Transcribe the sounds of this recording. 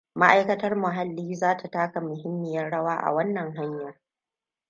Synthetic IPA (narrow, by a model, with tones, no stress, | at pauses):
ma˦ʔa˦jkɐ˦tɐ˦rmʊ˨ɦa˦lːiː˦zaː˦tʰa˨taː˦ka˨mʊ˨ɦɪ˦mːɪ˨jɐ˦rɽɐ˦waː˦ʔa̰˨wɐ˦nːɐ˨ŋɦa˦ɲjɐ˨r